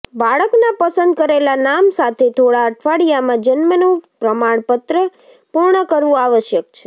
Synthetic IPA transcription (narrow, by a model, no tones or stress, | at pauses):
baɭəknapəsənd̪̚kəɾelanamsat̪ʰet̪ʰoɽaəʈʰʋaɽijamãd͡ʒənmənũpɾəmaɳ̃pət̪ɾə | puɾɳəkəɾʋũaʋəʃjəkt͡ʃʰe̥